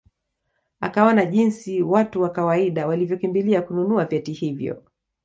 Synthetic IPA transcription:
a̰kawanaʄinsiwatuwakawaiɗawalivjɔkimbiliakununuavjɛtihivjɔ̰

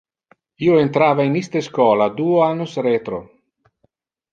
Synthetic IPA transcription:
iːoent̪ɾaːvainist̪eskɔːlad̪uːoanːosɾet̪ɾo

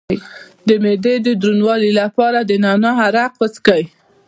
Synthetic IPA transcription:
jd̪əmed̪ed̪əd̪ɾunwɑlilapɑɾad̪ənɑnɑɦaɾaqwət͡skəj

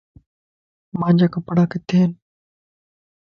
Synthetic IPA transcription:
mãːɲd͡ʑaːkəpəɽaːket̪ʰeːn

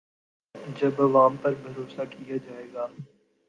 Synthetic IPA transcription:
d͡ʒɐbɐʋaːmpɐɾbʱəɾoːsakijad͡ʒaːeːɡaː

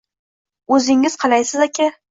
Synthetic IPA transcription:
ɵzɪŋɪz̥qʰɑlˠajsɪzakʲʰa

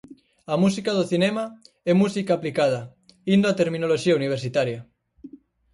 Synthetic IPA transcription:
amus̬ikað̞oθinɛma | ɛmusikaːplikað̞ɐ | ind̪oat̪eɾmĩnoloʃiauniβ̞eɾsit̪aɾja

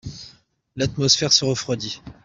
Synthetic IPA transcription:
lat̪mɔsfɛʁsəʁəfχwad̪i

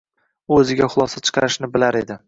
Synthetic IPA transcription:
ɵzɪɡʲaχʊlˠɒsat͡ʃʰɨ̥qʰɑɾɪʃnɪbɪlaɾe̞d̪ɪ

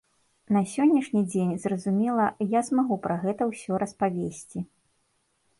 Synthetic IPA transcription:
nɐsʲɔnʲːɐʂnʲid͡zʲenʲzrɐzumʲɛlˠɐjazmaɣupɾɐɣɛt̪ɐwsʲɔɾɐspavʲesʲt͡sʲi

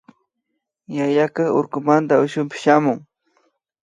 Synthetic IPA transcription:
jajakaoɾkʊmant̪aʊʃʊmpɪ̥ʃamʊŋ

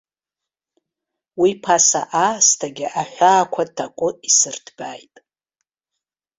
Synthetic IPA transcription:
wipʰasa̰ʔastʰaɡʲɪʔaħʷᶣaːkʷʰatʰːakʷʼʊisɨrdʰbajtʼ

